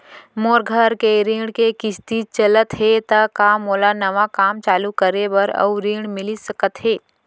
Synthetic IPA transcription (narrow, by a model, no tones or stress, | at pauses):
moːɾɡʱəɾkeɾiːɽkekɪst̪it͡ʃələt̪ɦet̪əkaːmoːlanɐʋakaːmt͡ʃaːlukəɾebəɾɐ̰uɾiːɳmɪlisəkət̪ɦeː